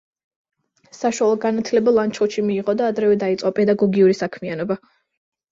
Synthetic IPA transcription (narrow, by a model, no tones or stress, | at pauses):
saʃwalˠɔɡanat̪ʰlɛbalˠant͡ʃʰɔʃimiːʁɔd̪aːd̪ɾɛvɛd̪ait̪sʼɔpʼɛd̪aɡɔɡiuɾisakʰmianɔba